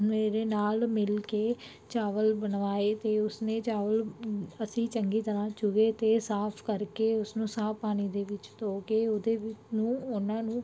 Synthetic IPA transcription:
meːɾeːnaːlmɪlkeː | t͡ʃaːʋəlbənʋaːeːt̪eːʊsneːt͡ʃaːʋələsĩːt͡ʃəŋɡiːt̪əɾãːt͡ʃʊɡeːt̪eːsaːpʰkəɾkeːʊsnũːsaːpaːñiːd̪eːʋɪt͡ʃt̪oːkeːʊd̪eːʋɪnũːʊnãːnũː

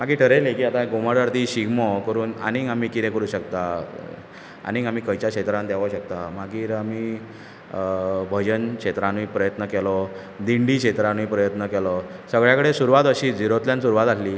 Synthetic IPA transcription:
maɡiːʈʰəɾelekiːat̪ãɡomaɽaɾt̪iːɕiɡmɔkəɾuːna̰niamiːkiɾẽkəɾuːɕəkt̪a | a̰niamiːkəjt͡ɕakɕet̪ɾãnd̪ɛʋaɕək̚t̪amaɡiːɾamiː | bʱəd͡ʑənkɕet̪ɾãnipɾəjət̪nəkɛlɔ | d̪iɳɖikɕet̪ɾanipɾəjət̪nəkɛlɔsəɡɭjakəɽesuɾuʋat̪əɕiːd͡ziɾot̪ljãnsuɾuʋat̪alliː

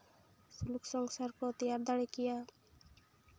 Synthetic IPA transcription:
suluksɔŋsaɾkɔt̪ijaɾd̪aɽekija

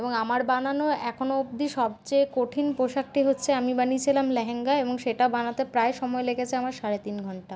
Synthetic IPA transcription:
eboŋamaɾbananoɛkʰonoobd̪iʃɔb̚t͡ɕekoʈʰinpɾoʃak̚ʈiɦotːɕʰeamibanit͡ɕʰilamlɛɦeŋɡaeboŋʃeʈaobanat̪epɾaeʃɔmɔelekʰet͡ɕʰeamaɾʃaɾet̪inɡʱɔɳʈa

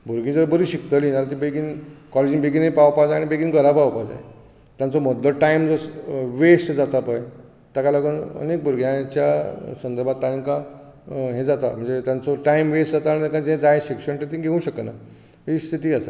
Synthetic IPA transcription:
bʱuɾɡʱĩd͡zəɾbəɾiɕikt̪əlinaɾat̪ĩbeɡiːnkɔled͡ʑinbeɡiːnepaʋpad͡zaañibeɡiːnɡəɾapawpad͡za̰j | t̪jãnt͡sɔməd̪ləʈajimd͡zosʋesʈd͡zat̪apaj | t̪akalaɡənə̰nek̚bʱuɾɡʱjãt͡ɕjasənd̪əɾbʱat̪ːãŋkã | ɦẽd͡zat̪at̪m̤əɳd͡zet̪jant͡sɔʈaimʋesd͡zat̪aːnit̪akãd͡zẽd͡zajɕikʂəɳʈet̪ĩɡʱeũɕəkəna̰ | ist̪ʰit̪iːasa

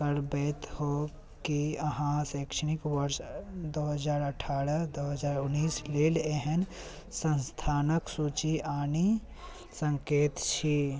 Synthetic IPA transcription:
kəɾbɛːt̪ho | kiɐɦãsɛːkʃənɪkʋəɾʃd̪oːɦəzaːɾəʈʰaːɾəd̪oːɦəzaːɾʊnːiːsleːleɦɛn | sə̃nst̪ʰaːnəksuːt͡ʃiʔaːni | sə̃ŋkeːt̪t͡ʃʰi

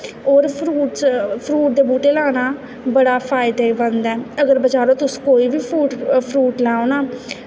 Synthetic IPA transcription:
oːɾpʰɾuːʈspʰɾuːʈ̚d̪eːbuːʈeːlaːnaː | bəɽaːpʰaːɪd̪eːbənd̪ɛːəɡəɾbət͡ʃaːɾoːt̪ʊskoːiːbiːpʰuːʈpʰɾuːʈlɛ̃ːõnaː

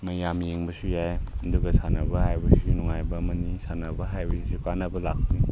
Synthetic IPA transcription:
mɐjamjeŋbɐsujajduɡɐsʰanɐbɐhajbɐsunuŋajbɐmɐnisanɐbɐɦajbɐsisukanɐbɐlakʰu

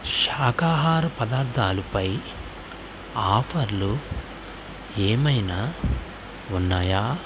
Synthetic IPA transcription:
ʃaːkaːɦaːɾɐpɐd̪aːɾd̪ʱaːlupɐj | aːpʰɐɾlu | eːmɐjna | unːaːjaː

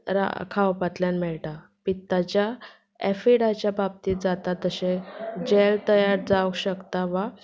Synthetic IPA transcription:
ɾa̰kʰaʋpat̪ljanmɛɭʈa | pit̪ːat͡ɕja | ɛfiɽat͡ɕjabab̚t̪iːt̪̚d͡zat̪at̪əɕẽd͡ʑelt̪əjaɾd͡zaʋəkɕəkt̪aʋa

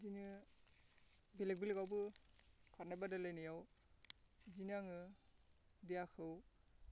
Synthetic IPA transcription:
zinɯ | bilek̚bilɡawbɯkʰɔnabadalajnɯjaw | zinaŋɯ | dijakʰɯw

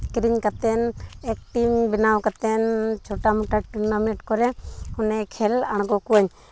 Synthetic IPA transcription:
kɾiɲkat̪ɛnɛk̚ʈimbinawkat̪ɛnt͡ʃʰoʈamuʈaʈinameʈkɔɾɛhunɛkʰɛlaɽ̃ɡɔkuaɲ

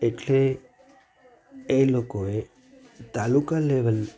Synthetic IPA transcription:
eʈʰle | elokoe | t̪alukaleʋəl

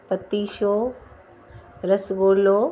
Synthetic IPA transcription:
pət̪ːiːʃoː | ɾɐsboːloː

